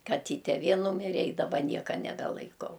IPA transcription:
kɐˈtʲiːtʲɛ ˈʋʲeː ˈnuːmʲɪrʲɛ ɪ dɐˈbɐ ˈnʲiɛkɐ nʲɛbʲɛlˠɐɪˈkɐʊ

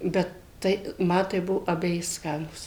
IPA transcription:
ˈbʲɛt ˈtɐɪ ˈmɐ tɐɪ ˈbʊʋoː ɐbʲɛˈjɪ ˈskɑːnuːs

